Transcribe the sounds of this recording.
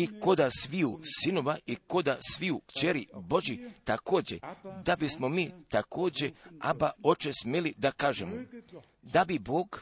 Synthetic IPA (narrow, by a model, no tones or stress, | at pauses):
iko̞d̪asʋiusino̞ʋaʔiko̞d̪asʋiukt͡ɕeɾibo̞ʒit̪ako̞ːd͡ʑe̞̰d̪abismomiːt̪ako̞ːd͡ʑe̞a̰bao̞t͡ʃesmʲjelid̪akaːʒemo | d̪abiboːɡ